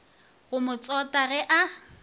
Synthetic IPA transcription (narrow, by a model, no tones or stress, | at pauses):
ɣʊmʊt͡sʼɔtʼaɣɛʔa